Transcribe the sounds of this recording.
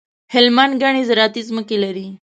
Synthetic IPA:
helmaːnɡaɽ̃izɾaːt̪it͡sməkiləɾi

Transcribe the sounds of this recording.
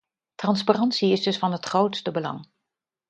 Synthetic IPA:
trɑnsparɑntsiɪzdɵsfɑnɦətχrowtstəbəlɑ̰ŋ

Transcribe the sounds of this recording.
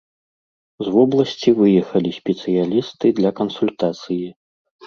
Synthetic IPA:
zvɔblˠɐsʲt͡sʲivɨjɛxɐlʲisʲpʲɛt̪sɨjalʲist̪ɨd̪lʲɐkɐnsulʲt̪at̪sɨji

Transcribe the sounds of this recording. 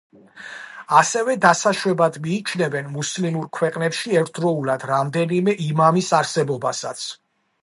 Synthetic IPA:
asɛvɛd̪asaʃwɛbad̪miːt͡ʃʰnɛvɛnmuslimuɾkʰwɛqʼnɛpʃiɛɾt̪ʰd̪ɾɔulˠad̪ɾamd̪ɛnimɛʔimamisaɾsɛbɔbasat̪sʰ

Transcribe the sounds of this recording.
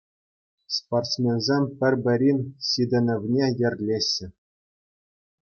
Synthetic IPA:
sport̪smʲenzʲemʲpʲɘ̆rʲbʲɘ̆ɾʲinʲsʲid̪ʲĕnʲɘ̆vʲnʲejɘ̆rʲlʲeɕʲːɘ̆

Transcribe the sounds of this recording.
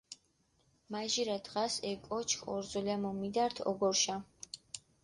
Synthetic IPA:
maʒiɾad̪ʁasɛkʼɔt͡ʃʰkʰɔɾzɔlamɔmid̪aɾt̪ʰɔ̰ɡɔɾʃa

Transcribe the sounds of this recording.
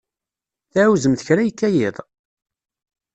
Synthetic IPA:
θæʕwzəmθəçɾæjəkːæjɪðˤ

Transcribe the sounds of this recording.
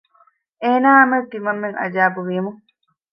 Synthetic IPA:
eːnaːɐmɐt̪imɐmːeŋɐ̰d͡ʒaːbuʋimuŋ

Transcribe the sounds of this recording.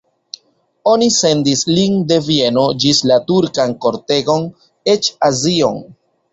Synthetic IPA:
o̞nise̞ndislinde̞vie̞no̞d͡ʒislatuɾkanko̞ɾte̞ɡo̞n | e̞t͡ʃazio̞̰n

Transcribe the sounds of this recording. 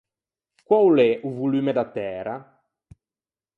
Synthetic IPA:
kwawlɛʔuvulyːmed̪at̪ːɛːɾa

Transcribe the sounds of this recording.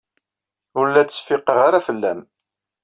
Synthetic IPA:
ʊɾlːæt͡sːə̥fɪqəʁaɾafəlːæ̰m

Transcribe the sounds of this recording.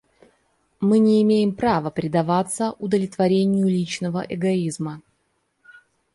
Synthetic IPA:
mɨnʲɪːmʲejɪmpɾavəpɾʲɪd̪ɐvat̪səʔʊd̪əlʲɪt̪vɐɾʲenʲɪjʊlʲit͡ɕnəvəʔɛɡɐizmə

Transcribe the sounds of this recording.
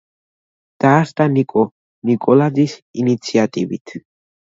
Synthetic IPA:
d̪̥aːst̪ʼanikʼɔ | nikʼɔlad̪zisinit̪sʰiat̪ʼivḭt̪ʰ

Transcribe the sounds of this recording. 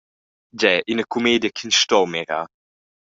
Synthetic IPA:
d͡ʒɛʔinəkʰumeːdjəkʰinsʃtɔwmɛɾa̰

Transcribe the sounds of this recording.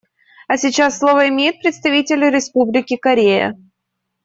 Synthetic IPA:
ɐsʲɪt͡ɕasːlˠo̞vəɪmʲejɪt̪̚pɾʲɪt̪st̪ɐvʲitʲɪlʲɪɾʲɪspublʲɪkʲɪkɐɾʲejə̰

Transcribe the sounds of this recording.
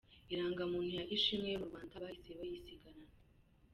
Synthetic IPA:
iɾaːŋɡamuːnhijaʔiʃimŋemuɾɡwaːndaβahisewajisiɡaɾana

